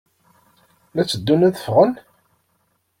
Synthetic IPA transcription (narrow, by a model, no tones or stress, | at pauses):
læt͡sːəd̪ːunæðə̥fʁən